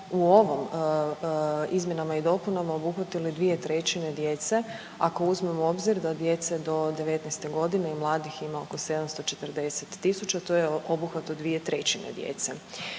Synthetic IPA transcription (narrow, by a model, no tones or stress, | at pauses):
uo̞ʋom | izmje̞namaid̪o̞punamaobuxʋat̪ilid̪ʋiet̪ɾe̞t͡ɕine̞d̪je̞t̪se̞ | ako̞uzmemo̞bziɾd̪ad̪je̞t̪se̞d̪o̞d̪e̞ʋe̞t̪nɛst̪e̞ɡo̞d̪ineimlˠaːd̪iximao̞ko̞se̞d̪amst̪o̞t͡ʃe̞t̪ərd̪e̞set̪ːisut͡ɕat̪o̞jeobuxʋat̪od̪ʋie̞t̪ɾe̞t͡ɕinḛd̪jḛt̪se